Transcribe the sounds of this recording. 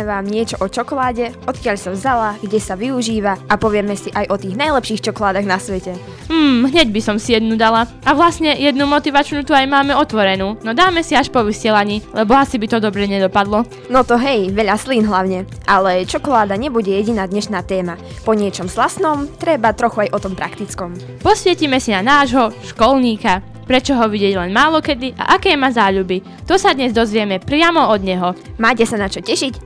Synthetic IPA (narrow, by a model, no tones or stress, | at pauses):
ɛʋaːmɲɪɛt͡ʃɔʔɔt͡ʃɔkɔlaːɟɛɔt̪kɪaʎsavzalaɡɟɛsaʋiuʒiːʋaapɔʋɪɛmɛsiʔajʔɔt̪iːɣnajlɛpʃiːxt͡ʃɔkɔlaːd̪aɣnasʋɛcɛ | mm̩ːɦɲɛɟbisɔmsijɛd̪̚nud̪ala | aʋlasɲɛjɛd̪numɔt̪iʋat͡ʃnut̪uajmaːmɛɔt̪ʋɔɾɛnuːnɔd̪aːmɛsiaʃpɔʋisɪɛlaɲiːlɛbɔasibit̪ɔd̪ɔbɾɛɲɛd̪ɔpad̪lɔ | nɔt̪ɔɦɛjʋɛʎaslinɦlaʊɲɛʔalɛt͡ʃɔkɔlaːd̪aɲɛbuɟɛjɛɟinaːd̪ɲɛʃnaːt̪ɛːma | pɔɲɪɛt͡ʃɔmzlasnɔmt̪ɾɛbat̪ɾɔxuajʔɔt̪ɔmpɾakt̪it͡skɔm | pɔsʋɪɛcimɛsinanaːʒɦɔʃkɔlɲiːka | pɾɛt͡ʃɔɦɔʋiɟɛɟlɛnmaːlɔkɛd̪iʔa̰ʔakɛːmazaːʎubi | t̪ɔsad̪ɲɛzd̪ɔzʋɪɛmɛpɾɪamɔɔd̪ɲɛɦɔmaːcɛsanat͡ʃɔcɛʃic